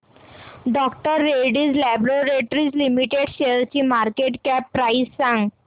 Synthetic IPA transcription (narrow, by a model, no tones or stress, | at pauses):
ɖɔkʈəɾːeɽiːd͡zlæbɾoɾeʈɾiːd͡zlimiʈeɖɕeɾt͡ɕiːmaɾkeʈkɛpːɾaisːãŋɡ